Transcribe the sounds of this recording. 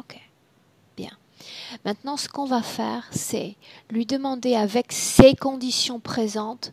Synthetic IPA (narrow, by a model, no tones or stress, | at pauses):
okʰe̥ | b̥jɛ̰̃ | mɛ̃t̪nɑ̃sə̥kɔ̃vafɛ̰ːʁsɛ̰lɥid̪əmɑ̃d̪eavɛksekɔ̃d̪isjɔ̃pχezɑ̃t̪